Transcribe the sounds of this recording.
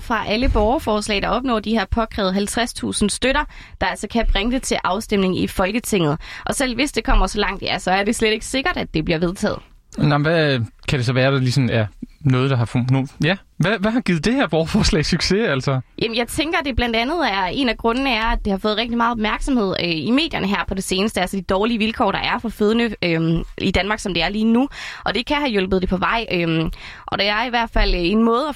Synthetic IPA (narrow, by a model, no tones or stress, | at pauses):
fʁɑ̈ʔæləb̥ɒʊɐfɒːslɛ̰ɪd̥ɑ̈ɒ̽b̥nɔ̰ːd̥ihæɐ̰pʰɒ̽kʰʁɛ̰ːʊðˠɦælt͡sʰʁast͡sʰṵːsn̩sd̥øɾɐ | d̥ɑ̈ælsɒkʰæb̥ʁaŋəd̥e̝t͡sʰe̝ʔɑ̈ʊsd̥em̰ne̝ŋifɒ̽lɡ̥ət͡sʰe̝ŋ̰ð̩ˠʔɒ̽sel̰ʋe̝sd̥e̝kʰɒ̽m̰ɐsɒ̽lɑ̈ŋ̰d̥jæsɒ̽æɐɾe̝sleɾ̥e̝ɡ̥ə̥se̝ɡ̥ɐɾ̥æd̥e̝b̥liɐʋe̝ð̞ˠt͡sʰɛ̰ːð̞̩ˠ | nɑm̩ʋækʰæɾ̥e̝sɒ̽ʋæːɐd̥ɑ̈lisɒ̽mjæɐnɔ̽ːð̞̩ˠd̥ɑ̈hɑ̈fnojæ | ʋæʋæɦɑ̈ɡ̥ið̩ˠd̥e̝hæɐb̥ɒʊɐfɒːslɛ̰ːsyɡ̥se̝ælsɒjʔæmənjɑ̈ɪt͡sʰeŋɡ̥ɐd̥e̝b̥læn̰d̥ænð̩ˠæɐe̝næɡ̥ʁɔ̽nənəæɐæd̚d̥e̝hɑ̈fɔ̽ːð̩ˠʁɛɡ̚d̥imɑ̈ːð̩ˠɒb̥mæɐɡ̥sɒ̽mhe̝ð̞̰ˠime̝̰ːd̥jɐnəɦæɐ̰pʰɒ̽d̥e̝se̝ːnəsd̥əælsəd̥id̥ɒːliəʋilkʰɒ̰ːɾ̥ɑ̈ʔæɐfɒ̽føð̞ˠənəømid̥ænmɑ̈ːɡ̥sɒ̽md̥e̝æɐliːnuʔɒ̽d̥e̝kʰæɦæjol̰b̥əð̩ˠdepʰɒ̽ʋɑ̈ɪ̰ʔøm | ʔɒ̽d̥eæɐiʋæɐd̥fæl̰e̝nmɔ̽ːð̩ˠæ